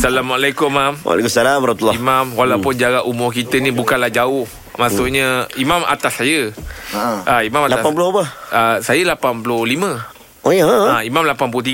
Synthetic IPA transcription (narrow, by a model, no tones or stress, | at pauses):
salamualakʊmːamwa̰lḛkumsalamaɾmat̪ulːɔimamwalawpʊnd͡ʒaɡaʔumʊhkit̪ənibukanlahd͡ʒaʊh | masʊʔɲəimama̰t̪asːajə | ʔaimãmalaaanpulʊbahasajəlapanpulʊhlimə̃ | ojaimamlapanpulʊt̪i